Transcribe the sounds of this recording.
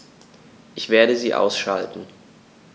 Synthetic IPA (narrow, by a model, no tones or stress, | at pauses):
ʔɪçv̥eːɐɾəziːʔa̰ʊsʃaltn̩